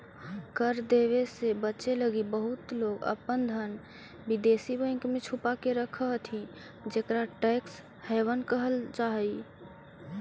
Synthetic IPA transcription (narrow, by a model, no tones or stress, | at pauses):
kəɾd̪eʋesebətːt͡ʃeləɡibəɦut̪loɡə̰pənd̪ʱən | bid̪esibə̃ɪ̃ŋkmẽt͡ʃʰupakeɾəkʰəɦt̪ʰĩ | d͡ʒekɾaʈeks | hɛwənkəɦəlt͡ʃaɦi